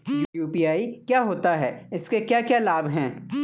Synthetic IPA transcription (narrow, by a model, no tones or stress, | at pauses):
juːpiaːikjaːɦoːt̪aɦɛːɪskekjaːkjaːlaːbʱɦɛ̃ː